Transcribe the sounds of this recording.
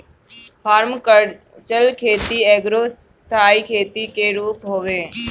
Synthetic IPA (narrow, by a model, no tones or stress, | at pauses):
pʰaːɾmkə | t͡ʃəlkʰeːt̪ieːɡɾoːst̪ʰaːikʰeːt̪ikeɾuːpɦoːʋeː